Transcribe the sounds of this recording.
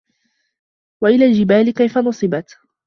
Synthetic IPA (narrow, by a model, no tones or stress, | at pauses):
waʔɪlaːld͡ʒɪbaːlɪkajfanʊsˤɨbat̪